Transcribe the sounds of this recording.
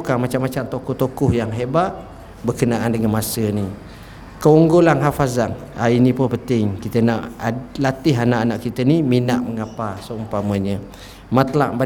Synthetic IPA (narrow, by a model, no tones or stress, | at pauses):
kamat͡ʃamːat͡ʃamt̪okɔht̪okʊhjaŋɦebaʔ̚ | bərkənaʔandəŋanmasəni | kəuŋɡolanɦafazaŋ | ainĩpʊnpənt̪ɪŋkit̪ənaʔlat̪ɪɦanaʔanaʔkit̪əniminaʔməŋapasəumpaməɲə | mat̪əlaʔba